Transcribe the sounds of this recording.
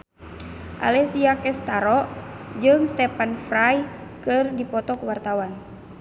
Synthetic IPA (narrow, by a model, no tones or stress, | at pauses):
ʔa̰lɛsiakɛst̪aɾɔʔd͡ʒɨŋst̪ɛpanfɾajkɨrdipɔt̪ɔkuwart̪awan